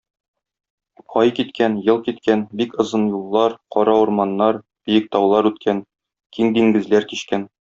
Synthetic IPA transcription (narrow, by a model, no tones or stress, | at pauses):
ɒjkit̪kʰænjɤlˠkit̪kænbikɤ̆zɤnjulˠːɑɾqɒɾɑuɾmɑnːɑɾ | b̥ijɘk̚t̪ɒwlˠɑɾʉt̪kʰæn | kiŋd̪iŋɡɘ̆zlæɾkiɕkæn